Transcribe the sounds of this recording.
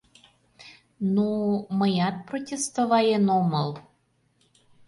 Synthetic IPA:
numəjɑt̪̚protʲest̪ovɑjenomɤl

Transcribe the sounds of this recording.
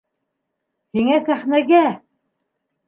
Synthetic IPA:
hiŋæsæχnæɡæ

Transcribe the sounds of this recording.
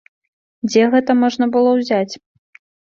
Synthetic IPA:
d͡zʲɛɣɛt̪ɐmɔʐnɐbɨlˠɔwzʲat͡sʲ

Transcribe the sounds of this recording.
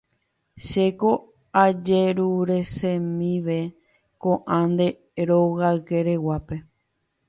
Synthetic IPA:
ʃeko | ad͡ʒeɾuɾe̞sẽmĩʋe̞ | kõʔãnd̪e̞ | ɾoɣaɨke̞ɾe̞wape̞

